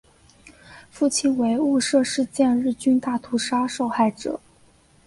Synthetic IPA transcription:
fu˥˩t͡ɕʰi˥˩nwe˧˥ɪu˥˧ʂɤ˥˧ʂɻ̩˥˧t͡ɕjɛ˥˧nɻɻ̩˥˩t͡ɕy˥nt̪a˥˩t̪ʰu˧˥ʂa˥ʂo˥˧ʊxa˥˩ɪʈ͡ʂɤ̰˨˩˦

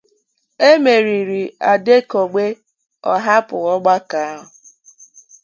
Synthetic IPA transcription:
e˦me˨ɾi˨ɾi˨a˨de˦ko˨ɡ͡be˦ | ɔ˦ɦa˦pʊ˨ɣɔ˦ɡ͡ba˦ka˨a˦ɦʊ˨

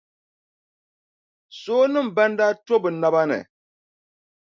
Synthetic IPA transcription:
soː˦nɨ˦m̩˨ba˦ndaː˦to˦bɨ˨na˨ba˦nɨ̰˨

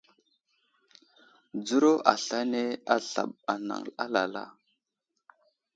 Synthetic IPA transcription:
d͡zu˦ɾo˦ʔa˨ɬa˦ne˦a˦ɬa̰˨ɓa˨na̰˨ŋa˦la˨la̰˦

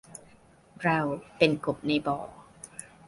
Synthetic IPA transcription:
ɾa˧wpe˧nko˨˩p̚na˧jbɔː˨˩˦

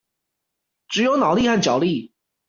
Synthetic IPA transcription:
ʈ͡ʂɻ̩˨˩jo˧˥ʊnɑ˨˩ʊli˥˧xa˥˩nt͡ɕjɑ˨˩ʊli˥˩

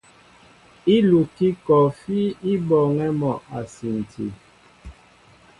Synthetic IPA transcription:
i˦lu˨ki˦kɔ˨fi˦i˦bɔ˨ŋɛ˦mɔ˨ʔa˨si˨n̩˨tʰḭ˨

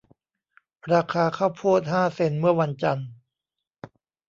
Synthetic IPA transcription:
ɾaː˧kʰaː˧kʰaː˥˩wpʰuː˥˩t̪̚haː˥˩se˧nmɯ˥˩ɐwa˧nt͡ɕa˧n

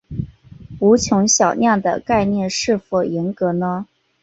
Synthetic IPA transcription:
u˧˥t͡ɕʰjʊ˧˥ŋɕjɑ˨˩ʊnjɑ˥˩d̪ə̰˩ka˥˧ɪnjɛ˥˧nʂɻ̩˥˩fɔ˨˩jɛ˧˥nkɤ˧˥nə˧

